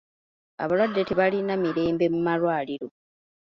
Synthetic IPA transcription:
a̰βalwadːete̞βalinamiɾe̞ːmbe̞mumalwaːliɾo̞

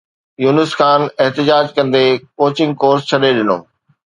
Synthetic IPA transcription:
juːnəskʰaːneɦt̪ɪd͡ʑaːd͡ʑkɐ̃nd̪ekoːt͡ɕɪ̃ŋɡkoːɾst͡ɕʰɐɗeɗɪno̰ː

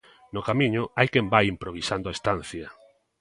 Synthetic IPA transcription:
nʊkamĩɲʊajkɛmbajimpɾoβ̞isand̪oaest̪an̟θjɐ

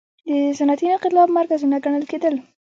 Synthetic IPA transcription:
d̪əzanat̪inaqɪt̪lɑbmaɾkazinaɡaɳəlked̪əl

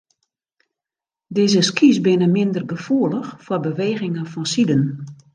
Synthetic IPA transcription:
dɪzəskisbɪnəmɪndərɡəfuələxfwərbəʋeːɣɪŋəfɔnsidən

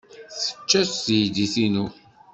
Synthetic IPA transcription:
θə̥t͡ʃːæsjd̪iθinu

